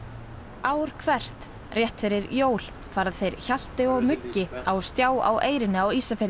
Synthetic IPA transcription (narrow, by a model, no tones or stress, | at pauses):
aːwɾ̥kʰvɛr̥t̪ | rjɛht̪fɪɾɪɾjoːwl̥ | faːɾaðθejɾ̥çal̥t̪ɪɔɣmʏcːɪawst̪jaːwa̰wʔeːjɾɪnɪawiːsafɪɾ